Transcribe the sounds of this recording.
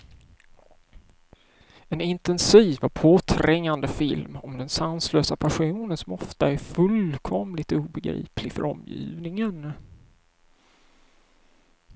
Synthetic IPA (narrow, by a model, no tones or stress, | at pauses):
ɛnɪnt̪ɛnsiːvɔpʰoːt̪ʰɾɛŋːand̪əfɪlmɔmd̪ɛnsansløːsapʰaɧuːnənsɔmɔft̪aæɾfɵlkʰɔmlɪt̪uːbɛɡɾḭːplɪɡfœ̰ɾɔmːjḭːvnɪŋən